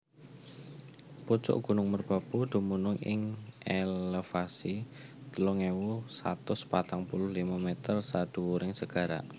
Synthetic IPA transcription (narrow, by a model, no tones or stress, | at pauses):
pot͡ʃʊ̰ʔɡ̥ṳnʊŋmərb̥a̤pud̪̥ṳmunʊŋɪ̰ŋelefasit̪əlɔŋewusa̰t̪ʊspat̪aŋpulʊhlimamɛt̪ərsad̪̥uuɾɪŋsəɡ̥a̤ɾa̰ʔ